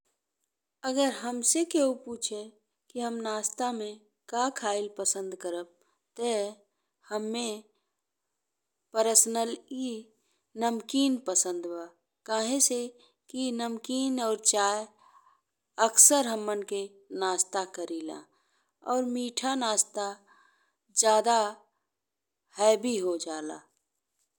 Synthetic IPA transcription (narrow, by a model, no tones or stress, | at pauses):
əɡəɾɦəmsekeupuːt͡ʃʰe | kiɦəmnaːst̪amẽ | kakʰaːɪlpəsə̃nd̪kəɾəb̚ | t̪e | həmːẽ | pəɾəsnəli | nəmkiːnpəsə̃nd̪waː | kaːɦẽse | kinəmkiːnɔːɾt͡ʃaːj | əksəɾɦəmːənke | naːst̪akəɾiːlã̰ː | ɔːɾmiːʈʰanaːst̪a | d͡ʒjaːd̪a | hɛːbʱiɦod͡ʒaːla̰ː